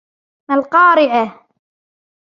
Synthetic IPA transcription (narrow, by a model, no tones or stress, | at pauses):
malqɑːɾɪʕa